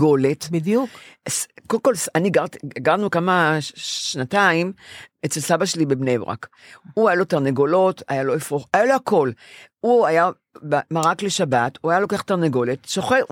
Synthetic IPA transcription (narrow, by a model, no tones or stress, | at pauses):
o̞letbidjuskokolsaniɡaʁtiɡaʁnukamaʃnataimet͡selsabaʃelibebnebʁa̰k | uajalo̞taʁneɡo̞lo̞tajalo̞efʁoχajaloako̞luaja | bamaʁakleʃabatuajalo̞keaχtaʁneɡo̞letʃoχe